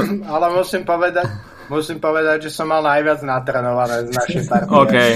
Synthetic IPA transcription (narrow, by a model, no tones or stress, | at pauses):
alɛmusimpɔʋɛd̪ac | musiːmpɔʋɛd̪aɟʒɛsɔmːalnajʋɪad͡znat̪ɾɛːnɔʋanɛːznaʃimpaɾokɛj